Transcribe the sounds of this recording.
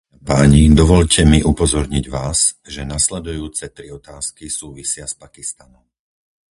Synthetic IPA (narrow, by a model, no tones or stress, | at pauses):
paɲid̪ɔʋɔʎcʰɛmiʔupɔzɔɾɲiɟʋaːzʒɛnaslɛd̪ujuːt͡sɛt̪ɾiɔt̪aːskisuːʋisɪaspakist̪anɔm